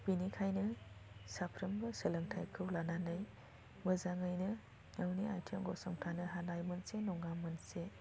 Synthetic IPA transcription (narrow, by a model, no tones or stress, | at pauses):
b̥inikʰajnɯsapʰɾɐmɡɯsɐlɐŋtʰajkʰɯwlananɯj | mɐzaŋɯjnɯ | nawnia̰jtʰemɡɔsɔmtʰanɯɦanajmɐnsenɔŋɡamɐnse